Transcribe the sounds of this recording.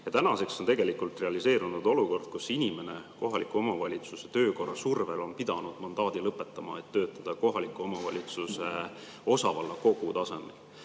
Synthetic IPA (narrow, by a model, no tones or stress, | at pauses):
jɑt̪ænɑse̞ksont̪e̞ɡe̞likult̪re̞ɑlise̞ːɾunud̪o̞luko̞rd̪̥̚kusinʲime̞ne̞ko̞ɦɑlikˑuo̞mɑvɑlʲit̪suset̪ø̞ːko̞rɑsurve̞lo̞npid̪̥ɑnud̪̥mɑnd̪ɑːd̪̥ilɤpːˑe̞t̪ːˑɑmɑ̰et̪ːø̞ːt̪ːˑɑd̪̥ɑko̞ɦɑlikːˑuo̞mɑvɑ̰lʲit̪suse̞ | o̞sɑvɑlːɑko̞ɡ̥ut̪ɑse̞mḛl